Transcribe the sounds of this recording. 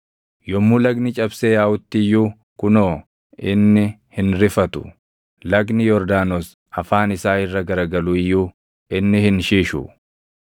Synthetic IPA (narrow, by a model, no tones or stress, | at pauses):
jɔmːulɐɡnɪt͡ʃʼɐbseːjaːʔʊt̪ːɪjːuː | kʊnoː | ɪnːɪ | hɪnɾɪfɐt̪ʊ̥ | lɐɡnɪjɔɾd̪aːnos | ɐfaːnɪsaːɪrːɐɡɐɾɐɡɐluːɪjːuː | ɪnːɪhɪnʃiːʃṵ